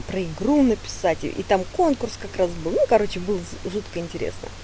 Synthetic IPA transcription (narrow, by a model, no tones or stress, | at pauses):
pɾəɪɡɾunəpʲɪ̥satʲʔḭt̪amko̞nkʊrskɐkɾas̬bɨlˠnukɐɾo̞t͡ɕɪbɨlˠəʐut̪kəɪnʲtʲɪɾʲḛsnə̰